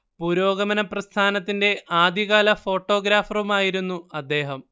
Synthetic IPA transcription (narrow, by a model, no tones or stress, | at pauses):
puːɾo̞ːɡɐmɐnɐprɐst̪ʰaːnɐt̪ːinde̞ʔaːd̪iɣaːlɐfo̞ːʈːo̞ːɡɾaːfrumaːjiɾunːuɐd̪ːe̞ːɦɐm